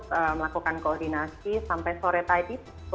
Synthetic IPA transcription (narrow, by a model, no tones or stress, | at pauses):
t̪əməlakukankoɔrd̪inasisampajsoɾɛt̪aidi